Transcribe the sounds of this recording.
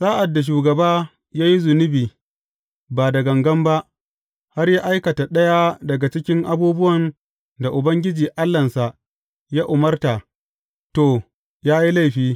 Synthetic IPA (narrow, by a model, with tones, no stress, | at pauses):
saː˦ʔa˨dːa˨ʃ̬uː˨ɡɐ˨baː˦ | jaː˦ji˦zʊ˨nʊ˦biː˨ | baː˨dɐ˨ɡɐ˨ŋɡɐ˦mba˦ʔ | ha˦rjaː˦ʔa˦jkɐ˨ta˨ɗɐ˦ja˦dɐ˨ɡa˨t͡ʃɪ˦kʲɪ˦ŋʔa˦buː˦bʊ˦wɐ˨n | da˨ʔʊ˨bɐ˦ŋɡʲɪ˦d͡ʒiː˨ʔa˦lːɐ˨nsa˨ʔ | jaː˦ʔʊ˨mɐ˦rta˨ | toː˨ | jaː˦ji˦la˦˨jɸiː˦